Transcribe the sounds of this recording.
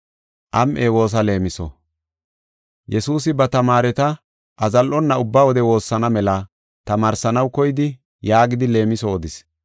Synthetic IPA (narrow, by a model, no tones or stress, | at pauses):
ʔɐmʔeːwo̞ːs̬ɐle̞ːmɪsɔ̰ | jɛsuːsɪbɐt̪ɐmaːɾɛt̪ɐ | ʔɐzɐlʔɔnːɐʊbːaːwɔd̪ɛwo̞ːsːɐnɐmɛlɐ | t̪ɐmaːɾsɐnɐwkɔjɪd̪ɪ | jaːɡɪd̪ɪle̞ːmɪsoːd̪ɪs